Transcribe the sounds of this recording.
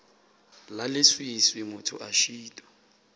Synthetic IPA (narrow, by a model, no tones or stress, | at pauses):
lalɪswiswɪmʊtʰʊ̰ʔaʃiːtʼɔ̥